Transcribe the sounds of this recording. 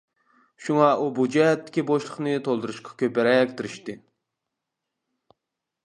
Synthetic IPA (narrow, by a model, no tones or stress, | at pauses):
ʃuŋɑʔubud͡ʒɛɦɛt̪ːɪ̥kʲiboʃlˠəχnɨt̪ʰolˠd̪uɾuʃqʰɑ̥kʲʰøpɛɾɛkʲt̪ɪɾɪʃt̪ɨ